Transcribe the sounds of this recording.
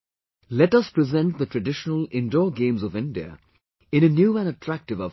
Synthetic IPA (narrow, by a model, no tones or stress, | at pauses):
lɛʈʌspɹɪzɛ̃nʈ̚d̪əʈɹɨɖɪʃənəlɪ̃nɖɔːɡẽːmzɔvɪ̃nɖiə̰ | ɪ̃nənjuːæ̃nəʈʰɹæk̚ʈɨvə